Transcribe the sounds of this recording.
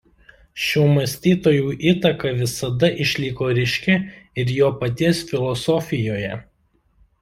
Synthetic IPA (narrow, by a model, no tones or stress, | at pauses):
ʃʲuːmɐsʲt̪ʲiːt̪oːjuːʔiːt̪ɐkɐʋʲɪsɐd̪ɐʔɪʃʲlʲiːkoːɾʲɪʃʲkʲɛɪɾjoːpɐt̪ʲiɛsfʲɪlˠɔsɔfʲɪjoːjɛ